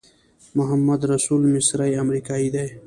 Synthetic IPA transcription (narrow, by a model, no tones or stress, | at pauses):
mʊɦamːɐd̪ɾasuːlmɪsɾajamɾikaːid̪aj